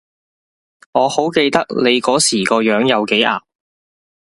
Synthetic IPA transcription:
ŋɔː˨˧ho˨˥wke˧jt̪ɐ˥k̚le˨˧jkɔː˨˥siː˨˩kɔː˧jœː˨˥ŋjɐ˨˧wke˨˥jʔa̰ː˨p̚

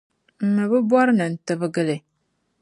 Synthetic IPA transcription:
m̩˨mə˨bə˦bwa˦ɾnə˨n̩˨tə˦bə˦ɡə˦le˨

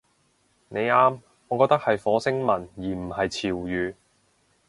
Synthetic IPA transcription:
ne˨˧jaː˥m | ɔː˨˧kɔː˧k̚t̪ɐ˥k̚hɐ˨jfɔː˨˥sɪ˥ŋmɐ˨˩njiː˨˩m̩˨˩hɐ˨jt͡sʰiː˨˩wjyː˨˧

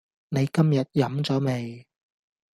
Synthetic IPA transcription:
ne˨˧jkɐ˥mjɐ˨t̚jɐ˨˧mt͡sɔː˨˥me˨˧j

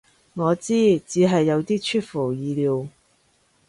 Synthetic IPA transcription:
ŋɔː˨˧t͡siː˥t͡siː˨˧˥ɦɐ˨jːɐ˨˧wt̪iː˥t͡ʃʰyː˥t̚fu˨˩jiː˨˧liː˨˧w

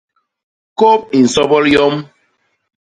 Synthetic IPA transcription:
ko˦p̚i˨n̩˨sɔ˦bɔ˦ɾjɔ˦m

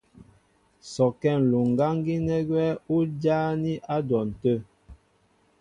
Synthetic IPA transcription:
sɔ˨kɛ˦˨n̩˨lu˨ŋ˨ɡa˦ŋ˦ɡi˦nɛ˦ɡwɛ˦u˦d͡ʒaː˦ni˦ʔa˦dɔ˨n̩˨tə˦˨

